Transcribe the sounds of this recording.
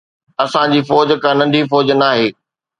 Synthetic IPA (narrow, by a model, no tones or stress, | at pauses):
ɐsãd͡ʑiːfɔːd͡ʑkãnɐ̃nɖʱifɔːd͡ʑnaːɦeː